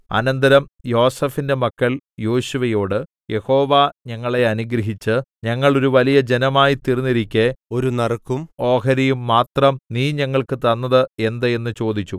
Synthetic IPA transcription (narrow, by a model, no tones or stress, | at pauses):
ɐ̰nɐnd̪ɐɾɐmjo̞ːsɐfinde̞mɐkːɐljoːɕuʋɐjo̞ːɽɨ | je̞ho̞ːʋaɲɐŋːɐɭe̞ɐnuɡɾɐɦit͡ɕːɨɲɐŋːɐɭo̞ɾuʋɐlijɐd͡ʑe̞nɐmaːjit̪irinːiɾikʲːeo̞ɾunɐrkːumo̞ːɦɐɾijumːaːt̪rɐmniːɲɐŋːɐɭkɨt̪ɐnːɐðɨe̞nd̪ɐe̞nːɨt͡ɕo̞ːd̪it͡ɕːu